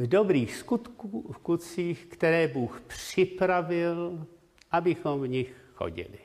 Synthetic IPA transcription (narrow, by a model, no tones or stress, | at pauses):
vdobɾiːxskut̪kuːfkut͡siːxkt̪ɛɾɛːbuːxpr̥ɪpɾavɪl | ʔabɪxomvɲɪxxo̰ɟɪ̰lɪ̰